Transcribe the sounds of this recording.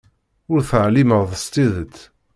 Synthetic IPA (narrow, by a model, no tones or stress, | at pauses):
ʊɾθəʕliməʁðəst̪iðət̪ː